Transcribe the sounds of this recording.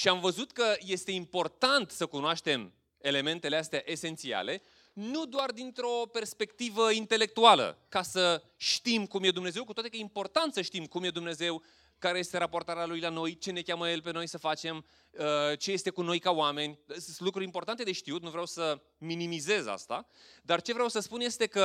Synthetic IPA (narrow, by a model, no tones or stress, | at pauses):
ʃiamvəzut̪kəje̞st̪e̞impo̞rt̪ant̪səkunoaʃt̪e̞m | e̞le̞me̞nt̪e̞least̪eaʔe̞se̞nt̪sia̰le̞ | nud̪oard̪int̪ɾo̞pe̞rspe̞kt̪ivəint̪e̞le̞k̚t̪ualə̰kasə | ʃt̪imkumje̞d̪umne̞ze̞wkut̪oat̪ekəjeimpo̞rt̪ant̪səʃt̪imkumje̞d̪umne̞ze̞w | kaɾe̞je̞st̪e̞ɾapo̞rt̪aɾealujlano̞jt͡ʃe̞ne̞kʲaməje̞lpe̞no̞jsəfat͡ʃe̞m | ət͡ʃe̞je̞st̪e̞kuno̞jkaoame̞nʲlukɾuɾimpo̞rt̪ant̪e̞d̪e̞ʃt̪iut̪nuvɾeawsə | minimize̞za̰st̪a̰d̪art͡ʃe̞vɾeawsəspunje̞st̪e̞kə